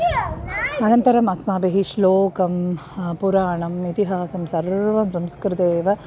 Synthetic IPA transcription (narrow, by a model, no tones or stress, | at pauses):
ɐnɐnt̪ɐɾɐmɐsmaːbeɦiʃloːkɐmpuɾaːɳɐmit̪iɦaːsɐmsɐɾʋɐmsɐmskɾɪt̪eːʋɐ